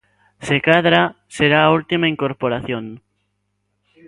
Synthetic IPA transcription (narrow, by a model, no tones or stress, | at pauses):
sekaðɾa | seɾaːult̪imaiŋkoɾpoɾaθjoŋ